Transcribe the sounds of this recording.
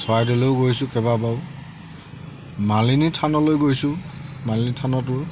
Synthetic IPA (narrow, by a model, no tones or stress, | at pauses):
sɔajdeloʊɡojsʊ̃kɛbabaʊ | malinitʰanɔlojɡojsʊ̃malinitʰanɔt̬ʊɹ